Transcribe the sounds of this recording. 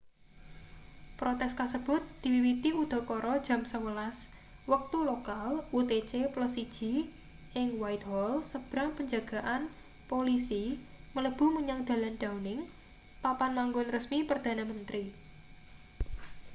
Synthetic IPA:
pɾot̪ɛskasəb̥ʊ̤t̪̚d̪̥i̤wiwit̪iud̪̥ɔ̤kɔɾɔd̥ʒ̥a̤msəwəlas | wək̚t̪ulokalut̪et͡ʃeplɔs̬id̥ʒ̥i̤ | ʔɪŋwajt̪hɔlsəb̥ɾaŋpəɲd͡ʒaɡ̥a̤ʔan | polisi | mələb̥ṳməɲaŋd̪̥a̤lanɖ̥aunɪŋ | papanmaŋɡʊnrəsmipərd̪̥a̤namənt̪ɾi

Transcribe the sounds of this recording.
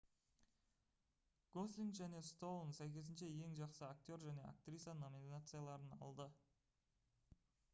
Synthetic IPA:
ɡ̥o̞slʲiŋɡʒæne̞st̪o̞lˠnsæjkʲe̞s̬ɪnʃeje̞ŋʒɑqsəak̚t̪ʲo̞ɾʒæne̞a̰kt̪ɾʲit̪sano̞mʲinnat̪sɨjalˠɑɾənɑ̰lˠd̪ə

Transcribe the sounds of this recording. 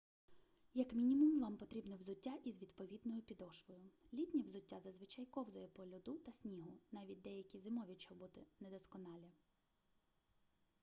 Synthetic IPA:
jɐkmʲinʲimʊmlˠɑmpɔt̪ɾʲibnɛwzʊtʲːaʔizʋʲid̪pɔʋʲid̪nɔjʊpʲid̪ɔʃʋɔjʊlʲit̪ʲnʲiwzʊtʲːazɐzʋɪt͡ʃɑjkɔwzɔjɛpɔlʲʊd̪ut̪ɐsʲnʲiɦʊnɑʋʲit̚ʲd̪ɛjɐkʲizɪmɔʋʲit͡ʃɔbut̪ɪnɛd̪ɔskɔnɑlʲɐ

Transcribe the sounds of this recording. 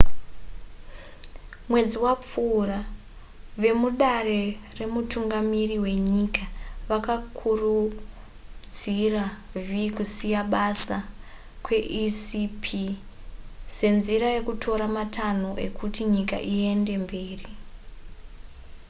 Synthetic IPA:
mwe̞d͡ziwap͡fuːra | ʋe̞muɗare̞re̞mutuŋɡamiriwe̞ɲikaʋakakʰuru | d͡zira | vikusijaɓasa | kwe̞ʔisipʰi | se̞nziɾaje̞kutʰo̞ɾamatʰanoʔe̞kʰutiɲika̰ʔie̞nde̞mbeːri

